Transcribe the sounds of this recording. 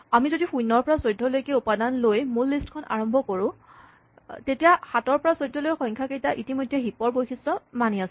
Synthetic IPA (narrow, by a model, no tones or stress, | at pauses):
amizodixujnːɔɹpɔɹasojdʱːɔlojkeupadanlojmulːistkʰɔnʔa̰ɹɔmbʱɔkoɹʊ̃ | tetijaxatɔɹpɔɹasojdʱːɔlojxɔjŋkʰakejtaʔitimojdʱːɛɦipɔɹbojkʰistɹɔmanias